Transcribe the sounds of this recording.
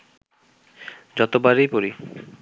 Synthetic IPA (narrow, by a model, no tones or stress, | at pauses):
d͡ʑɔt̪obaɾejpoɾi